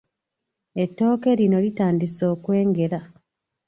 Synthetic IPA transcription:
e̞tːo̞ːke̞ɾino̞litaːndiso̞ːkwe̞ːŋɡe̞ɾa

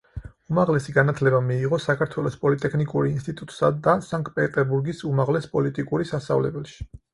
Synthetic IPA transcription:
umaʁlɛsiɡanat̪ʰlɛbamiːʁɔsakʰaɾt̪ʰwɛlˠɔspʼɔlit̪ʼɛkʰnikʼuɾinst̪ʼit̪ʼut̪ʼsad̪asaŋkʼpʼɛt̪ʼɛɾbuɾɡisumaʁlɛspʼɔlit̪ʼikʼuɾisast̪a̰vlɛbɛlʃi̥

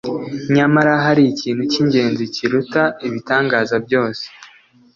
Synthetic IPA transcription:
ɲamaɾaɦaɾiiciːn̥huciɲɟe̞ːnziciɾutaiβitaːŋɡaːzabjo̞ːse̥

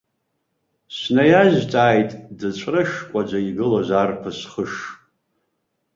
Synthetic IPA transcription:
snajaʒt͡sʼaːjtʼdɨt͡ʃʷʰrɨʃkʷʼad͡ʒʷaiɡɨlozarpʰɨsχəʂ

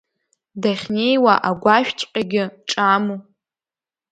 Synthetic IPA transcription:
daχʲne̞jwaʔaɡʷaʃᶣt͡ʃʼqʲʼaɡʲɪʈ͡ʂʼamu

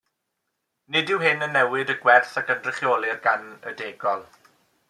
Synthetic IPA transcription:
nɪdɪwɦɪnənːɛwɪdəɡwɛrθakəndrɪχjoːlˠɪrɡanədeːɡɔlˠ

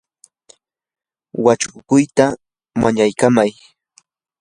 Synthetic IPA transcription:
wat͡ʃʊkʊjt̪a | maɲajkamaj

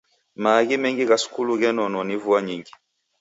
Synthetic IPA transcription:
maɣimɛŋɡiɣasu̥kuluɣɛnɔnɔnivuaɲiŋɡi

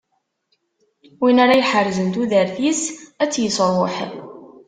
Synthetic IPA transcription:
winaɾajħərzənt̪uðəɾθisæt͡sːjəsɾˤoħ

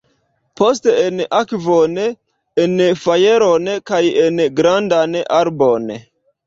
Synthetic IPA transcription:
pʰos̬teenakvon | enfaje̞ɾonkajenɡɾandanaɾbon

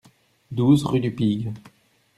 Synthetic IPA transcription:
d̪uzʁyd̪ypiɡ

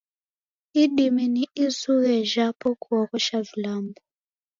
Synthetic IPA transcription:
iɗiminiʔizuɣɛʒapɔkʰuwɔkɔʃavilaːmbɔ

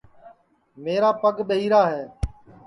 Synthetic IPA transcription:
meːɾaːpəɡɓəɦiːɾaːɦɛː

